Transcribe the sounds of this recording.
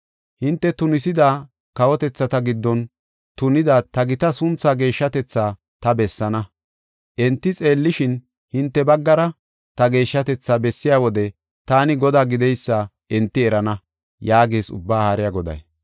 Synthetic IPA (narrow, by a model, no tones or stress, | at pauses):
hɪnt̪ːɛt̪ʊnɪsɪd̪aː | kɐwɔt̪ɛt͡sːɐt̪ɐɡɪd̪ːɔn | t̪ʊnɪd̪aːt̪ɐɡɪt̪ɐsʊnt͡sːaːɡe̞ːʃːɐt̪ɛt͡sːaː | t̪ɐbɛsːɐnɐ | ʔɛnt̪ːɪt͡sʼe̞ːlːɪʃɪn | hɪnt̪ːɛbɐɡːɐɾɐ | t̪ɐɡe̞ːʃːɐt̪ɛt͡sːaːbɛsːɪjaːwɔd̪ɛ | t̪aːnɪɡɔd̪aːɡɪd̪ɛjsːaː | ɛnt̪ːɪɛɾɐnɐ | jaːɡeːsʊ̰bːaːhaɾɪjaɡɔd̪ɐ̰j